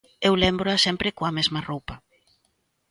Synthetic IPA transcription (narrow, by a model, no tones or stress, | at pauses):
ewlɛmbɾoasɛmpɾɪkoamezmaropa